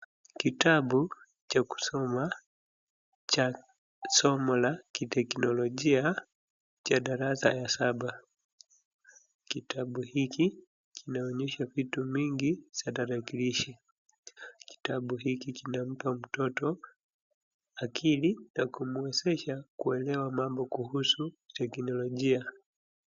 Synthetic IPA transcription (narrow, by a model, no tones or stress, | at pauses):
kitaɓu | t͡ʃaku̥sɔma | t͡ʃa | sɔmɔlakitɛknɔlɔʄia | t͡ʃaɗaɾasa̰jasaɓa | kitaɓuhiki | kʰinaɔɲɛʃavitumiŋɡit͡ʃataɾakiliʃi | ki̥taɓuɦikikinam̩pam̩tɔtɔ | akʰilinakumuɛsɛʃakuɛlɛwamambɔkuhusutɛknɔlɔʄia